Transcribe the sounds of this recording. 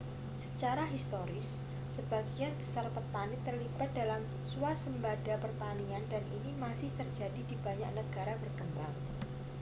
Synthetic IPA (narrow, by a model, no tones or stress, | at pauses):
sət͡ʃaɾaɦist̪oɾɪsː | əbaɡianbəsarpərt̪anit̪ərlib̥at̪̚dalam | suasəmbadapərt̪aniandanʔinimasɪht̪ərd͡ʒadidibaɲaʔnəɡ̥aɾabərkəmbaŋ